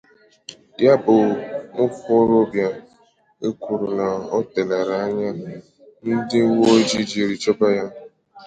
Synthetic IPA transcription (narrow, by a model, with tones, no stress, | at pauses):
ja˦bʊ˨ŋʊ˦fʊ˦ɾo˦bja˦ | e˦kʷu˨ɾu˨na˨ɔ˦te˨na˨ɾa˨˦ɲa˦ | n̩˦dɪ˦wo˦d͡ʒi˦d͡ʒi˨ɾi˨t͡ʃɔ˦ba˦ja˦